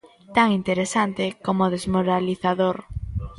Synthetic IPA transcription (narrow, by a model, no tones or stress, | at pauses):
t̪aŋint̪eɾesant̪ɪkomoðezmoɾaliθaðoɾ